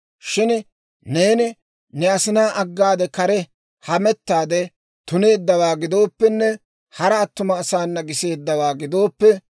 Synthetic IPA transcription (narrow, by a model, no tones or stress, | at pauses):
ʃɪn | ne̞ːnɪ | nɛɐsɪnaːʔɐɡːaːd̪ɛkɐɾɛ | hɐmɛt̪ːaːd̪ɛ | t̪ʊne̞ːd̪ːɐwaːɡɪd̪o̞ːpːɛnːɛ | hɐɾɐːt̪ːʊmɐːsaːnːɐɡɪse̞ːd̪ːɐwaːɡɪd̪o̞ːpːɛ